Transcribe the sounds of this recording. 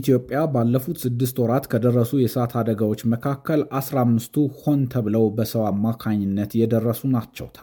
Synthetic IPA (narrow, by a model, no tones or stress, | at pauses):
t̪ʰjo̞pʼːjabalːəfut̪sɨd̪ːɨst̪oɾat̪kʰəd̪ərːəsujɛsəat̪ʰad̪əɡawo̞t͡ʃːməkʰakʰːəlʔasɾamːɨst̪ʰuho̞nt̪ʰəβɨləwbəsəwamːakʰaɲːɪnːət̪jɛd̪ərːəsunat͡ʃːɛ̰wt̪ʰal